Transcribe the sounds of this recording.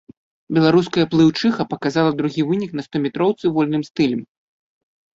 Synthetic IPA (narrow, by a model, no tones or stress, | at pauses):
bʲɛlˠaɾuskɐjɐplˠɨwt͡ʂɨxɐpɐkazalˠɐd̪ɾuɣʲivɨnʲiknɐst̪ɔmʲɛt̪ɾɔwt̪sɨvɔlʲnɨmst̪ɨlʲɛm